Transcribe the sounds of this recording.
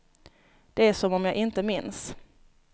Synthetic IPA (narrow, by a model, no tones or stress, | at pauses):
d̪̥ɛæʂɔmɔmjɑːɡʔɪnt̪əmɪns